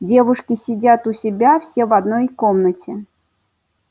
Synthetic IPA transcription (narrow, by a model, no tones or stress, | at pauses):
dʲe̞vʊʂkʲɪsʲɪdʲat̪ʊsʲɪbʲafsʲevɐd̪nojkomnətʲɪ